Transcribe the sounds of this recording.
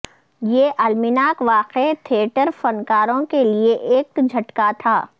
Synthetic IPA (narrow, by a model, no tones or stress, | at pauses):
jeːʔɐlmɪnaːkʋaːqet̪ʰeʈəɾfɐnkaːɾõkelieʔeːk̪̚d͡ʒʱɐʈkat̪ʰaː